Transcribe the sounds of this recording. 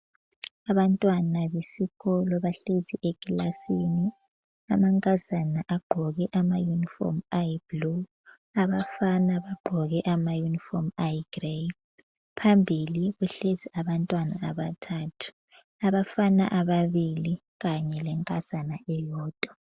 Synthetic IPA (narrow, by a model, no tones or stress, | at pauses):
aβantʼwanaβesiɣɔlɔβaɬeziʔeɡilasini | amaŋkʼazanaʔaɡ͡ǃʱɔɣɛʔamajunifɔ̰majiblu | aβafanaβaɡ͡ǃʱɔɣɛʔamajunifɔmajiɡ̥re | pʰambʱiliɣuɬeziʔaβantʼwanaaβatʰatʰu̥ | aβafana̰ʔaβaβili | ɣaɲɛlɛŋkʼaz̥anaʔɛjɔːd̥ʱɔ